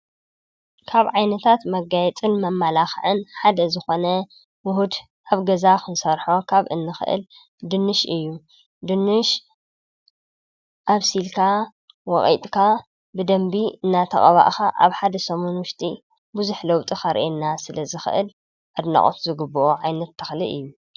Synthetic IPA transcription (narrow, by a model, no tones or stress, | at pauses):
kʰaβʕajnɐt̪ʰat̪mɐɡajɛt͡sʼɨnmɐmːalaxʕɨnħad̪ɐzɨxo̞nɐ | mʊɦud̪ | ʔaβɡɐzakʰɨnsɐɾħokʰaβʔɨnːɨxɨ̰ʔɨ̰l | d̪ɨnːɨʃɨjːu | d̪ɨnːɨʃ | ʔaβsilkʰa | wɔχʼḭt̪ʼkʰa | bɨd̪ɐmbiɨnːat̪ʰɐ̰χʼɐβa̰ʔxaʔa̰βħad̪ɐsɐmunwʊʃt̪ʼi | buzuħlowt̪ʼixɐɾʔenːasɨlɐzɨxɨ̰ʔɨ̰l | ʔad̪na̰χʼo̰t̪ʰzɨɡɨbːuʔoʕajnɐt̪ʰːɨ̥xlḭʔɨjːu